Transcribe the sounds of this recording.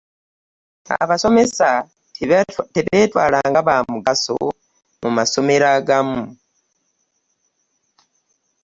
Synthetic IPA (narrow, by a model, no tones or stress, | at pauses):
a̰βaso̞me̞sa | tiβeːtwaːlaŋɡaβamuɡaso̰ | mumaso̞meɾaɡamu